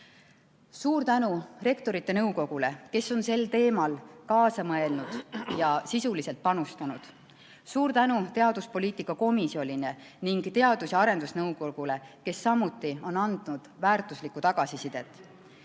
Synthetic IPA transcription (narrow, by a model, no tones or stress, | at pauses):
suːrt̪ænure̞kt̪o̞ɾit̪ːˑe̞nɤwko̞ɡ̥ule̞ke̞sːo̞nse̞lt̪e̞ːmɑlkɑːsɑmɤe̞lnud̪̥jɑsisulise̞lt̪̚pɑnust̪ɑnud̪̥ | suːɾt̪ænut̪e̞ɑd̪̥uspo̞liːt̪ikːˑɑko̞misio̞lʲine̞ | niŋɡ̥t̪e̞ɑd̪̥usjɑɑɾe̞nd̪̥usnɤwkoɡ̥ule̞ke̞sːɑmut̪ːˑio̞nɑnd̪̥nud̪̥væːrt̪ˑuslikːˑut̪ɑɡ̥ɑsisid̪̥e̞t̪ːˑ